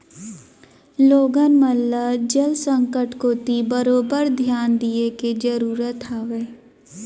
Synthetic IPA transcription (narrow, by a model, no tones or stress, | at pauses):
loːɡənməlːad͡ʒəlsə̃ŋkəʈkot̪ibəɾoːbəɾd̪ʱjaːnd̪ieked͡ʒəɾuːɾət̪ʰaːʋeː